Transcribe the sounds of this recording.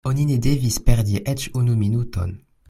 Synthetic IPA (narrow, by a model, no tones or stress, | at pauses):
onined̪ɛvispɛʁd̪iʔɛt͡ʃunuminut̪ɔ̰n